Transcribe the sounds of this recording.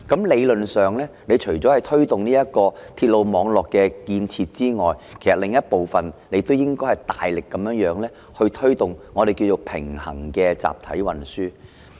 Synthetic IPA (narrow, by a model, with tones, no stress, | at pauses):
kɐ˨˥mle˨˧jlɵ˨nsœː˨˩ŋlɛː˥ne˨˧t͡ʃʰɵ˨˩t͡sɔː˨˥hɐ˨˩jt̪ʰɵ˥ɥt̪ʊ˨ŋniː˥jɐ˥t̚kɔː˧t̪ʰiː˧t̚lo˨˧wmɔː˨˧ŋlɔː˨kːɛː˧kiː˧nt͡sʰiː˧t̚t͡siː˥ŋɔː˨jkʰe˨˩jsɐ˨t̚lɪ˨ŋjɐ˥t̚po˨wfɐ˨nle˨˧jt̪o˥wjɪ˥ŋkɔː˥jhɐ˨˩jt̪aː˨jlɪ˨kːɐ˨˦mjœː˨˧˥ŋjœː˨˥ŋlɛː˥ | hɵ˧ɥt̪ʰɵ˥ɥt̪ʊ˨ŋːɔː˨˧ɾe˨jki˧wt͡ʃo˧wpʰɪ̰˨˩ŋhɐ̰˨˩ŋkɛː˧t͡sa̰ː˨˩p̚t̪ʰɐ̰˨˥jwɐ˨nsyː˥